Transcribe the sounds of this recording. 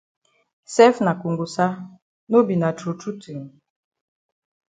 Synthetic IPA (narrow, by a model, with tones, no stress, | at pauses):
sɛ˦fna˨ku˨ŋɡu˨sa˦ | no˦bi˨na˨t͡ʃo˨tu˦tu˨ŋ